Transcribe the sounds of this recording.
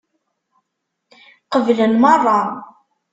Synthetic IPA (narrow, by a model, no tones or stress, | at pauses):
qəvlənmɑrˤːɑ